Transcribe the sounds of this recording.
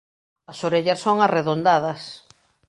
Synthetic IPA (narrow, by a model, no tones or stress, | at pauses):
ɐsoɾeʎɐssːoŋareðond̪að̞ɐs